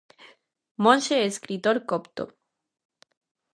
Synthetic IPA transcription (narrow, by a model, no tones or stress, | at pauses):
mõnʃeeskɾit̪oɾkopt̪o̰